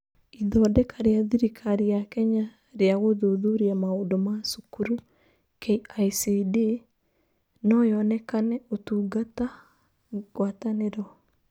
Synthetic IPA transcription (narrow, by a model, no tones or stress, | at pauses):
iðɔdɛkaɾeaðiɾikʰaɾijakɛɲa | ɾeaɣoðoðuɾiamaondomasukuɾu | keaiside | nɔjɔnɛkanɛotuːɡata | ɣwataneɾɔ